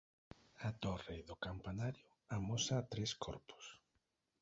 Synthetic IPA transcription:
at̪ɔreðʊkampanaɾjʊ | amosaːt̪ɾeskʰɔ̰ɾpʊ̥s

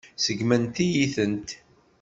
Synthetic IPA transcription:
səɡmənt̪ijiθənt̪

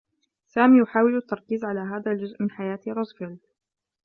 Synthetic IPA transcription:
saːmiːjʊħaːwɪlat̪ːɑɾˤkiːzʕalaːɦaːðald͡ʒʊzʔmɪnħajaːt̪ɾˤʊzfɪld̪

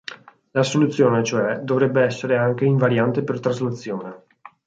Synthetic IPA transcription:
lasolut̪sːjoːnet͡ʃoɛd̪ovɾɛbːeɛsːeɾeaŋk̟eiɱvaɾjant̪epert̪ɾazlat̪sːjoːne

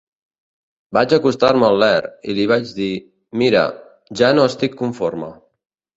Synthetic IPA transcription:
bad͡ʒəkust̪aɾməllɛɾḭliβ̞ad͡ʒði | miɾə̰ | ʒanoəst̪ikːuɱfoɾmə̰

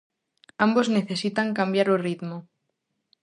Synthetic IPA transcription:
ambozneθesit̪aŋkambjaɾorit̪mo

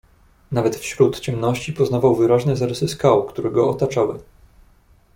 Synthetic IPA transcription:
navɛt̪fɕɾut̪t͡ɕɛmnɔɕt͡ɕipɔznavawvɘɾaʒnɛzaɾɛsɘskawkt̪uɾɛɡɔɔt̪at͡ʂawɘ

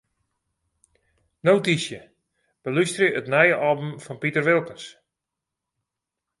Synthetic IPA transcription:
nowtisjə | b̥əlystrəətnɛjəʔɑːbəmfɔnpitərʋɪlˠkəns

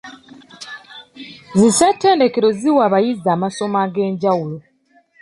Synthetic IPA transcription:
zisatːe̞ːnde̞ke̞ɾo̞ziwaːβajizːaːmaso̞maɡe̞ːɲɟawulo

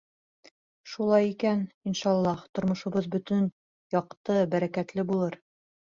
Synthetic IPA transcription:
ʃulˠɑjikæninʃɑlˠːɑht̪ŏɾmŏʃŏβɤðbɵ̆t̪ɵn | jɑqt̪ɤbæɾækæt̪lɘbulˠɤɾ

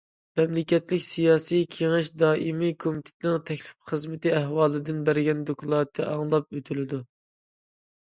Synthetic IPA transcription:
mɛmlɪkʲɛt̪lɪkʲsijɑːsijkʲʰeŋɪʃd̪ɑːʔimikʰomit̪ʰɪ̥t̪ɪnɪŋt̪ʰɛkʲlɪ̥pχəzmɪt̪ɪæhwɑːlˠɨd̪ɪnbæɾɡʲɛnd̪okʰlˠɑːt̪ʰːɛɑŋlˠɑp̚øt̪ʰylɪd̪u

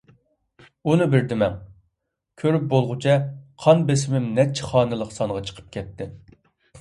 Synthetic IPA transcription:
unɨbɪɾd̪ɪmɛŋ | kʲʰøɾyp̚bolˠʁʊt͡ʃʰɛqʰɑnbes̬ɪmɪmnɛt͡ʃʰːɛ̥χɑːnɨlˠəqsɑɴʁɑt͡ʃʰə̥qʰə̥p̚kʲʰɛt̪ːɪ

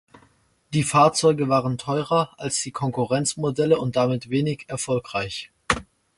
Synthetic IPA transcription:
d̥iːfaːɐt͡sɔʏɡəvaːʁəntʰɔʏʁɐʔalsd̥iːkʰɔŋkuʁɛnt͡smodɛləʊnt̚d̥amɪtv̥eːnɪçɛɐfɔlkʁ̥aɪç

